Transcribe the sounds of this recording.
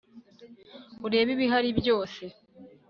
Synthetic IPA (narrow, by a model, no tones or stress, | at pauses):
uɾe̞ːβiβiɦaɾibjo̞ːse